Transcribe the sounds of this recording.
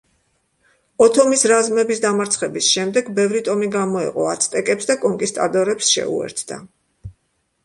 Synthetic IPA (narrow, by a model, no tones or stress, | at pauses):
ɔt̪ʰɔmisɾazmɛbisd̪amaɾt̪sʰχɛbisʃɛmd̪ɛɡbɛvɾit̪ʼɔmiɡamɔɛ̰qʼɔ̰at̪sʰt̪ʼɛkʼɛpsd̪akʼɔŋkʼist̪ʼad̪ɔɾɛpsʃɛ̰ṵɛ̰ɾt̪ʰd̪a̰